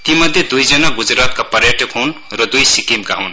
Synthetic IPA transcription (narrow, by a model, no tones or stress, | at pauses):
t̪imʌd̪ʱjed̪ujd͡zʌnaɡud͡zrat̪̚kapʌrjaʈʰʌkɦown | rʌd̪ujsikimkaɦon